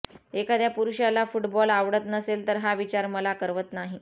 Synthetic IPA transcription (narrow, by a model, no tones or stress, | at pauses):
ekad̪japuɾuɕalafuʈbɔlaʋɽət̪nəselt̪əɾɦaʋit͡ɕaɾməlakəɾʋət̪naɦi